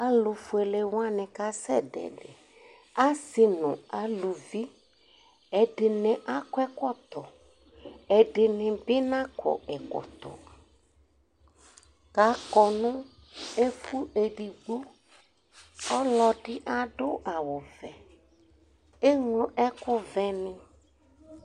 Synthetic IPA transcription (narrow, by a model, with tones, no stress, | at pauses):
a˦lu˨fu˨e˨le˨w̃a˦nɪ̃˨ka˦sɛ̰˦ɖɛ̰˨ɖḛ˨ | a˦si˨nṵ̃˨a˨lu˨vi˦ | ɛ˨ɖɪ˨nẽ˨ʔa˦kwɛ˦kɔ˦t̪ɔ˨ | ɛ˨ɖɪ˨nɪ̃˨bi˦nã˦kɔ̰˨ɛ˨kɔ̰˨t̪ɔ̰˨ | ka˨˦kɔ˨nũ˦ | e˦fu˦e˨ɖi˨ɡ͡bo˦ | ɔ˦lɔ˨ɖi˦ʔa˨ɖo˦ʔa˨wo˨vɛ˨ | e˦ŋlo˦ʔɛ˦kʊ˦vɛ˦nĩ˦